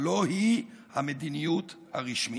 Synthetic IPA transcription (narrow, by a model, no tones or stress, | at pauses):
lo̞hi | hamed̪inijut̪ | haʁiʃmi